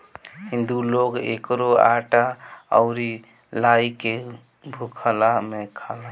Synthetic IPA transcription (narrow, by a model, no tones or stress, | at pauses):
ɦĩnd̪uloɡḛkɾoa̰ʈaə̰ʊɾi | laike | bʱukʰəlamekʰala